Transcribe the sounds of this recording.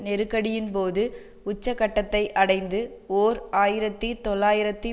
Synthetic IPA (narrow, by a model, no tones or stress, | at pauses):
nɛɾɯkːɐɽɪjɪnpoːðɯ | ʊt͡ʃːɐkːɐʈːɐt̪ːɐɪʔɐɽɐɪnd̪ɯoːɾaːjɪɾɐt̪ːit̪ɔlːaːjɪɾɐt̪ːi